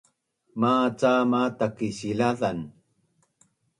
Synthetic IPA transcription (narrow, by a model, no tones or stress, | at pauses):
mat͡samatakiɕilaðan